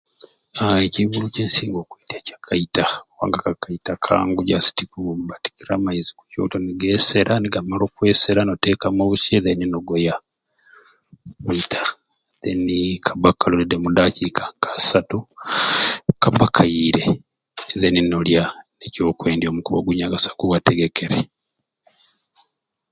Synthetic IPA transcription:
aeciβuluceːnsiːŋɡoːkwetacḁkʰaitaowa̰ːŋɡakakaitakʰa̰ːŋɡuɟasi̥tikubati̥kiɾamaizi̥kuco̰ːtoniɡeseɾʔaniɡamalo̞ːkwe̞ːseɾanotekamaβusieðeninoɡoja | keitʰḁ | ðenikʰaβakalolidemudacikʰḁŋkʰasatu | kaβakʰaiɾeː | ðeninoljaneco̞ːkweːndjo̞ːmukuβoɡuɲaɡasḁɡuwateɡekeɾe

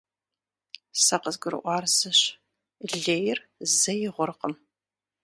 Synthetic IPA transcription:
sɐqəzɡʷʊɾɨ̰ʔʷɑːrzɨɕ | ɮeːjɪrzɐjɪʁʷʊrqəm

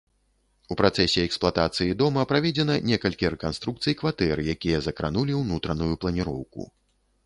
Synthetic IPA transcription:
upɾat̪sɛsʲɛɛksplˠat̪at̪sɨjid̪ɔmɐpɾavʲɛd͡zʲɛnɐnʲɛkɐlʲkʲiɾɛkanst̪ɾukt̪sɨjkvat̪ɛrjakʲijɐzɐkɾa̰nulʲiwnut̪ɾɐnujuplˠɐnʲiɾɔ̰wkṵ

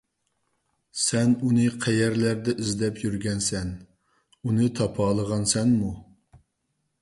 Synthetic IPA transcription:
sɛnunɨqʰæjɛɾlæɾd̪ɛʔizd̪ɛpʰjyɾɡʲɛnsɛn | unɨt̪ʰɑpʰɑːlˠəʁɑnsɛnmu

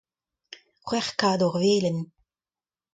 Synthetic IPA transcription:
χwɛχkaːd̪ɔʁveːlən

